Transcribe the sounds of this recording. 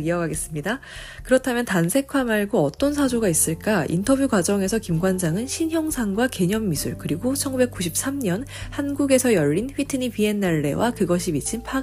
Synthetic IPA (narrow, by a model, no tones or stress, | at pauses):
iʌɡaɡe̞s͈ɯmɲida | kɯɾʌtʰamjʌntansʰe̞kʰwamaɭɡoʌt͈ʌnsʰad͡ʑoɡais͈ɯɭk͈aḭntʰʌbjuɡwad͡ʑʌŋe̞sʰʌkimɡwand͡ʑaŋɯnɕʰinɦjʌŋsʰaŋɡwake̞ɲʌmːisʰuɭkɯɾiɡot͡ɕʰʌŋɡube̞k̚k͈uɕʰip̚s͈amɲʌnhanɡuɡe̞sʰʌjʌʎːinɸɥitʰɯnipie̞naɭːe̞̰wakɯɡʌɕʰimit͡ɕʰinpʰa